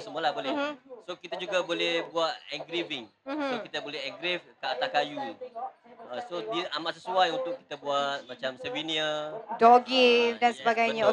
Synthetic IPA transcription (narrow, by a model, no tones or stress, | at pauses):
səmulabolɛsokit̪ad͡ʒuɡabolɛhbuat̪̚ɛŋɡɾivɪŋ̩mkit̪abolɛɦɛŋɡɾifkəat̪akaju | asodiamaʔsəsuajunt̪ʊkːi̥t̪abuat̪̚mat͡ʃamsəviniadoɡidansəbaɡajɲao